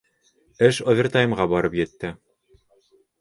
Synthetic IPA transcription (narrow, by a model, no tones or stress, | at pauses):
ɘʃŏvʲɪrt̪ajɤ̆mʁɑbɒɾɤpjɘ̆t̪ːɘ